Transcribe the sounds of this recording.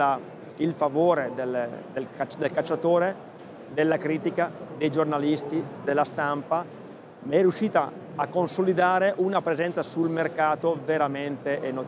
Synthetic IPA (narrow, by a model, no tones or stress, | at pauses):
a | ilfavoːɾed̪eld̪elkat͡ʃd̪elkat͡ʃːat̪oːɾe | d̪elːakɾiːt̪ikad̪ejd͡ʒornalist̪id̪elːast̪ampa | mɛrjuʃːiːt̪aː | kːonsolid̪aːɾeʔunapɾezɛnt̪sasulmerkaːt̪oveɾament̪eʔeno